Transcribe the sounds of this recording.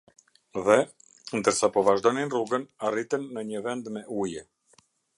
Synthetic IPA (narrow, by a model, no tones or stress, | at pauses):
ðɛ | nd̪əɾsapɔvaʒd̪ɔninruɡənarit̪ɛnːəɲəvɛnd̪mɛʔujɛ